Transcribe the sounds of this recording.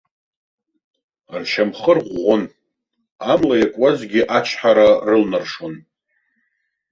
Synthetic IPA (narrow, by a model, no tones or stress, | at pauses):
rʃʰamχərʁʷːon | amlajakʷʼazɡʲɪʔat͡ʃʰħaɾarɨlnarʂon